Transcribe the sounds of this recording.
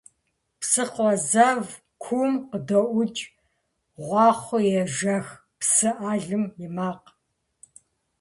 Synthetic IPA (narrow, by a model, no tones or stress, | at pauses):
psɨqʷɔzɐv | kʷʰuːmqədoʔʷʊt͡ʃʼ | ʁʷɑːχʷʊjɛʒɐx | psɨʔaːɮɨmjɪmaːq